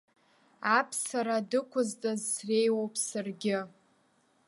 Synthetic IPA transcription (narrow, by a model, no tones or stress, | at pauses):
apʰsaɾadɨkʷʰʊztʼazsrejwowpʼʰsarɡʲɪ